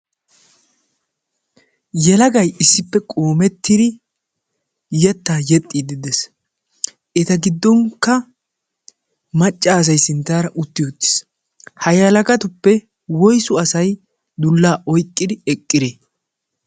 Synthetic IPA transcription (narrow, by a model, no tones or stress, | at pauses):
jɛlɐɡɐjɪsːɪpːɛkʼoːmɛt̪ːɪd̪ɪ | jɛt̪ːaːjɛt̪ʼːid̪ɪd̪ɛs | ʔɛt̪ɐɡɪd̪ːɔŋkːɐ | mɐt͡ʃʼːas̬ɐjsɪnt̪aːɾɐʔʊt̪ːɪjot̪ːɪ̥s | hɐjɐlɐɡɐt̪ʊpːɛ | wɔjsʊɐsɐj | d̪ʊlːaːʔɔjkʼːɪd̪ɪɛkʼːɪɾeː